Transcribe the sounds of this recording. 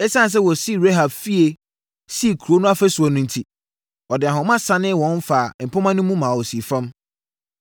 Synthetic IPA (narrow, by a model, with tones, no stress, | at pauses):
ɛ˦sã˦n˨s̬ɛ˦wɔ˨si˦˨ɾe˦ɦa˨bfi˦e˨ | si˦˨kʰu˨ɾo˦nʊ̃˦a˦fɛ˦sɔ˨nʊ̃˦n̩˨tʰi˦ | ɔ˨dɪ˨a˨ɦʊ̃˨mã˦sã˦nɪ̃˦wɔ̃˨˦n˦fa˨m̩˨pʰʊ̃˦mã˦nʊ̃˦mũ˦mã˨wɔ˨si˨fã˦m